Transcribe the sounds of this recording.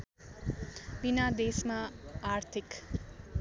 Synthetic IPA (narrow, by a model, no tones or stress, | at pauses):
binad̪esmaaɾt̪ʰik